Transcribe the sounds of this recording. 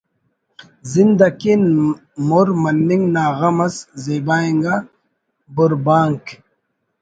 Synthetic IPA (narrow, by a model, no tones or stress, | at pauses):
zind̪ɐkin | moɾmɐnːiŋɡnaːɣɐmɐszeːbaːiŋɡa | buɾbaːŋk